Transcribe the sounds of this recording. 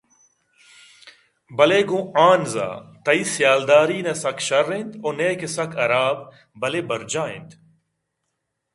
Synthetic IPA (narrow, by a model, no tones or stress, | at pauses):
bɐleːɡõːaːnza̰ːt̪ɐiːsjaːld̪aːɾiːnɐsɐkʃɐɾːent̪oːneːkesɐkʰɐɾaːb | bɐleːbɐɾd͡ʒaːḛ̃nd̪